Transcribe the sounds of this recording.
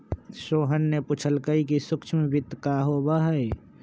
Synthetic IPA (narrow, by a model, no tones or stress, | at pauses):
ʃoːɦənːeput͡ʃʰəlkəikisʊkt͡ʃʰmebʱɪt̪ːkaɦoːbaɦəe